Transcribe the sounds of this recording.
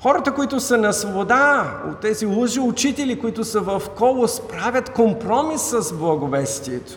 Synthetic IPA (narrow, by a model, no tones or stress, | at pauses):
xɔɾət̪əkoit̪ʊsənɐsvobod̪ao̰t̪ːɛzilˠoʒiʊt͡ʃit̪ɛlikoit̪ʊsəvɐfkɔlˠʊspɾavʲɐt̪kompɾɔmisːɐzblˠɐɡʊvɛst̪iɛt̪ʊ̥